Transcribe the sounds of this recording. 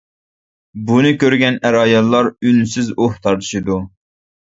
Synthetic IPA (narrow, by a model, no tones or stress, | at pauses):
bunɨkʲøɾɡʲɛnæɾɑːjɑlˠːɑɾynsɪzoht̪ʰɑɾt̪ʰɨ̥ʃɨd̪u